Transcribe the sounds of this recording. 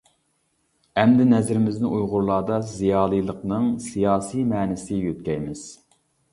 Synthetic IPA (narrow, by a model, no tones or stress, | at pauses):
ɛmd̪ɪnɛzɾɪmɪznɪʔujʁʊɾlˠɑːd̪ɑzijɑːlˠijlˠəqnɨŋsijɑːsijmɛːnɪsɪjøt̪̚kʲɛjmɪz̥